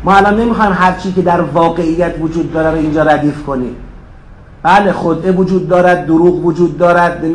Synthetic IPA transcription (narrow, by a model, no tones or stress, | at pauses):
mɒːælɒnːe̞mixɒjmɦæɾt͡ʃʰiːkʰe̞d̪æɾvɒːɣe̞ijːæt̪ʰvod͡ʒuːd̪ːɒːɾæɾoind͡ʒɒːɾæd̪iːfkʰo̞niːm | b̥æːle̞xod̪ʔevod͡ʒuːd̪ːɒːɾæd̪̚ːoɾuːɣvod͡ʒuːd̪̚ːɒːɾæd̪̚ne